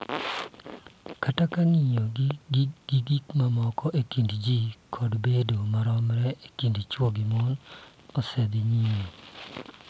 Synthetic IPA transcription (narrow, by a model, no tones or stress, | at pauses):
katakaŋiɲo | ɡ̥iɡikmamɔkɔʔekindd͡ʒikʰɔdbedomaɾɔmɾɛʔekindt͡ʃwoɡɪmɔn | ɔsɛd̪iɲiɲo